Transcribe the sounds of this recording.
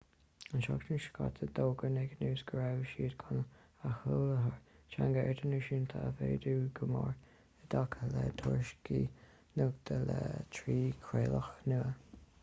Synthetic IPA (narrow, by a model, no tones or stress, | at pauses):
ənʃɔkt͡ʃənʃə̥kʰa̰t̪ʰəd̪oːɡənɛɡənuːsɡɹawʃiːd̪ɡ̥ʊn | əhuləɦəɹt͡ʃaŋɡəɛd̪ənəʃint̪ʰaəveːd̪uːɡəmɔɹ | əd̪akʰəlɛd̪ʰɔɹʃki | nʊɡd̪̥əlɛt̪ʰɾiːkʰɾeːləxnuə